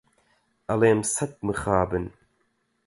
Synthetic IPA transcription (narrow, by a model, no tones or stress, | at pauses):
ɐleːmsɐt̪̚mɨχaːbɨn